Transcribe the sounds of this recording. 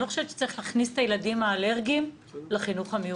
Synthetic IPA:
oχoʃett͡ʃːe̥t͡saʁiχlaːχnist̪ajeladimaːle̞ʁɡim | leχinuχameu

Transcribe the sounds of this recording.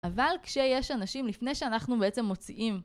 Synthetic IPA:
ʔavalkʃe̞je̞ʃanaʃimlifne̞jʃeanaχnubeet͡se̞mːo̞t͡siʔim

